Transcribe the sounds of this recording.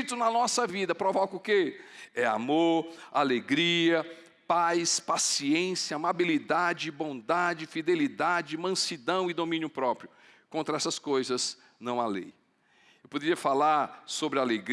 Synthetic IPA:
t̪ʊnɐnɔsɐvid̪ɐpɾovɔkʊkeɛa̰moɾaleɡɾiɐ | pajspasiẽsjɐamabilid̪ad͡ʒɪbõd̪ad͡ʒɪfid̪elid̪ad͡ʒɪmɐ̃sid̪ɐ̃w̃ɪd̪omĩnjʊpɾɔpɾjʊ | kõnt̪ɾɐɛsɐskojzɐz | nɐ̃w̃alḛj | ewpod̪eɾiɐfalaɾsobɾɪaleɡ

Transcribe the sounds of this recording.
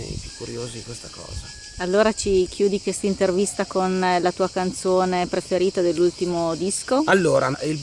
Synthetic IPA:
ipjukːuɾjoːziikwest̪akɔ̰ːza | alːoːɾat͡ʃikjuːd̪ikwest̪aint̪ervist̪akonlat̪uːakant̪soːnepɾefeɾiːt̪ad̪elːult̪imod̪iskoalːoːɾaɛil

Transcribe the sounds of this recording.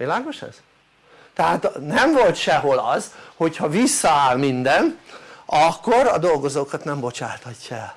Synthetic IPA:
ilaːɡo̞ʃɛ̰z̥ | t̪ɛɦaːt̪nɛɱvo̞lt̪ʃɛɦo̞lɒzho̞chɒvisːɒaːlmind̪ɛnɒkːo̞ɾɒd̪o̞lɡo̞zoːkɒt̪nɛmbo̞t͡ʃaːt̪hɒcːɒɛl

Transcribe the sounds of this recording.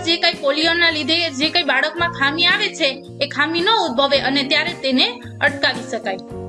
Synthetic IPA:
d͡ʒekaijpolijonːalid̪ʱed͡ʒekaibaɽəkmãkʰamiaʋet͡ʃʰeː | kʰaminəud̪̚bʱəʋeʔənet̪jaɾet̪ene | əʈkaʋiʃəkaj

